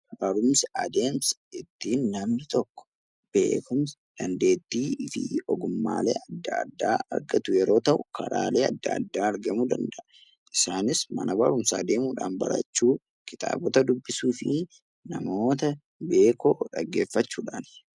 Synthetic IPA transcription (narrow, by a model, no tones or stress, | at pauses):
bɐɾʊmsɐɐd̪e̞ːmsɪt̪ːiːnːɐmnɪt̪ɔkːɔ̥ | b̥e̞̰ːkʊms | d̪̥ɐnd̪e̞ːt̪ːiːɪfɪ̰ɔɡʊmːa̰ːlḛːʔɐd̪ːɐɐ̰d̪ːaːɐ̰ɾɡɐt̪ʊjɛɾo̞ːt̪ɐʔʊkʰɐ̰ɾa̰ːle̞ːɐd̪ːɐːd̪ːaːɐɾɡɐmuːd̪ɐnd̪ɐʔɐ | ʔɪsaːnɪsmɐ̰nɐbɐɾʊmsɐːd̪e̞ːmuːᶑaːnbɐ̰ɾɐ̰t͡ʃːuː | kɪt̪ʼa̰ːbɔt̪ɐd̪ʊbːɪsuːfɪ | nɐmo̞ːt̪ɐ | be̞ːkoːᶑɐɡːe̞ːfːɐt͡ʃːuːᶑaːn